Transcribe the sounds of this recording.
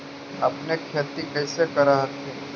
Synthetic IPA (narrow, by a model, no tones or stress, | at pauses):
ɐpnekʰeːt̪ikɐɪsekɐɾaɦət̪ʰe